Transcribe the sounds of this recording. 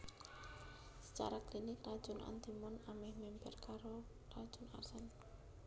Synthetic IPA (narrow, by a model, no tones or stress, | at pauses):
sə̥t͡ʃa̰ɾaklinɪkrad̥ʒ̥ʊnɔ̰nt̪imʊnamɪhmɛmbɛrkaɾo | rad̥ʒ̥ʊna̰rsɛn